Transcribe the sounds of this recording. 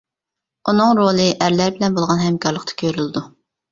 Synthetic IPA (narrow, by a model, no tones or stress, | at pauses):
unɨŋɾolˠɨʔæɾlæɾbɪlɛnbolˠʁɑnɦɛmkʰɑɾlˠəq̚t̪ʰɑ̥kʲʰøɾyld̪u